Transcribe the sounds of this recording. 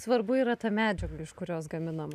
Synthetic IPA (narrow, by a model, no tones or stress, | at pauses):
sʋɐɾbʊiːɾɐt̪ɐmʲæːd͡ʒʲɛɡlɐɪʃkʊɾʲoːsɡɐmʲɪnɐmɐ